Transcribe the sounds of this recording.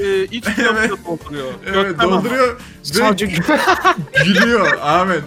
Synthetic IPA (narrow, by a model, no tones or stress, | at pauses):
ɛit͡ʃevɛt̪aolˠd̪uɾujoevɛt̪̚dd̪o̞lˠd̪uɾujoɾ | bead͡ʒ | ɟilijo̞ɾaːmɛn